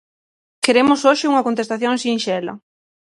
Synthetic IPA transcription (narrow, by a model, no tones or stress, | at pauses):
keɾemʊsoʃɪuŋɐkont̪est̪aθjoŋsinʃɛlɐ̰